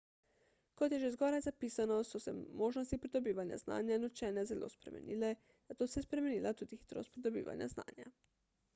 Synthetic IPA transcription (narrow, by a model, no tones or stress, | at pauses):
kot̪jɛʒezɡɔːɾajzapiːsanɔsɔsɛ̰moːʒnost̪ipɾid̪obiːʋanja̰zna̰ːnjanot͡ʃɛːnɛzelo̰ːspɾḛmḛnʔiːlɛ | z̥at̪oːsɛspɾemeniːlʔat̪uːd̪ixi̥t̪ɾo̰st̪̚pɾid̪obḭːʋa̰nja̰zna̰ːnja̰